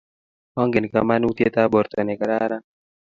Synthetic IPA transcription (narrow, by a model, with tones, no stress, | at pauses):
ɔ˦ŋɡe˨nka̰˨ma˦nu˦t̪je˦t̪a˦bɔ˨ɾt̪ɔ˨nɛ˨ka˨ɾaɾa˦